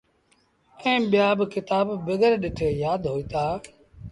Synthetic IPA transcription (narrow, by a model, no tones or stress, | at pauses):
ɛ̃ːɓɪjaːbkɪt̪aːbːɪɡəɾɗɪʈʰeːjaːd̪ɦoːiːt̪aː